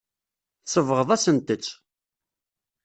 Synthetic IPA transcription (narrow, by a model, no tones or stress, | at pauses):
sˤəvʁəðˤæsənt̪ət͡sː